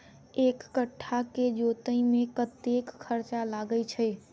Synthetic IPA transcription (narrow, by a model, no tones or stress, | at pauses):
ekːəʈʰːaked͡ʒot̪əĩmẽkət̪ekkʰːəɾt͡ʃalaɡəjt͡ʃʰɛ